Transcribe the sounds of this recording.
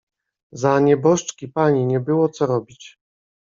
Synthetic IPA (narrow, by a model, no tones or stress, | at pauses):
zaɲɛbɔʂt͡ʂkʲipaɲiɲɛbɘwɔt̪sɔɾɔbʲit͡ɕ